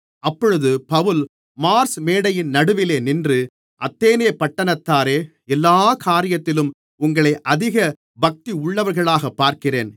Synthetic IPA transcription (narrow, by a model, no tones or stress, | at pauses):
ɐpːɔɻɯðɯpɐʋɯl | maːɾsmeːɽɐjɪnnɐɽɯʋɪleːnɪndrɯ | ʔɐt̪ːeːneːpɐʈːɐnɐt̪ːaːɾeː | ɛlːaːkʰaːɾɪjɐt̪ːɪlɯm | ʊŋɡɐɭɐɪʔɐðɪɣɐ | bɐk̚t̪iʊɭːɐʋɐɾɣɐɭaːɣɐpːaːɾkɪreːn